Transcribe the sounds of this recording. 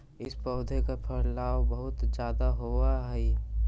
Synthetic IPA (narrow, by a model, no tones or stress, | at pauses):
ɪspɔːd̪ʱekapʰɐɾlaːbəɦʊt̪d͡ʒjaːd̪aɦoːaɦɛi